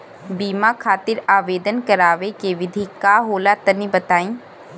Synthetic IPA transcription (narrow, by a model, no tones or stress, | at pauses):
biːmakʰaːt̪ɪɾaːʋeːd̪ənkɐɾaːʋekeʋɪd̪ʱikaːɦoːlat̪ɐnibɐt̪aːĩː